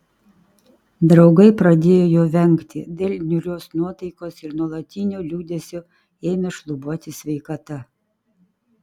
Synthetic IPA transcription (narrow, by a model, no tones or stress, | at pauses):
d̪ɾɒʊɡɐɪpɾɐd̪ʲeːjoːjoːʋʲɛŋʲˑkt̪ʲɪd̪ʲeːlʲnʲʊɾʲoːsnuɔt̪ɐɪkoːsɪɾnuɔlˠɐt̪ʲɪnʲoːlʲuːd̪ʲesʲoː | eːmʲeʃlˠʊbuɔt̪ʲɪsʲʋʲɛɪkɐt̪ɐ